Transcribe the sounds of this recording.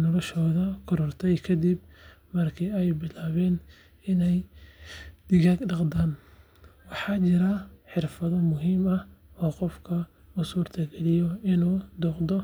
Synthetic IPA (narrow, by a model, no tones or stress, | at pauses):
nɔlɔʃɔːðɐkʰɔɾɔrt̪ʰɛjkʰɐd̪ibmɐrkʰɪɛjbɪlaːβɛːn | ɪnɛj | d̪̥ɪɣaɡɖɑqd̪aːn | wɑħɑːt͡ʃɪɾɐħɪrfɐðɔmʊɦiːmɐhɔːqɔfkʰɐ | ʊsuːrt̪ʰɐɡɛlɪjɔɪnuːd̪ɔːqd̪ɔ